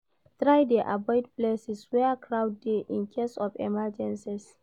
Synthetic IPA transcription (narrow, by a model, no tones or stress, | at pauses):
tɾajdeʔabɔjdplesiswɛakʰɹawd̚ːeʔĩnkʰesɔfɛ̰mad͡ʒɛ̃nsis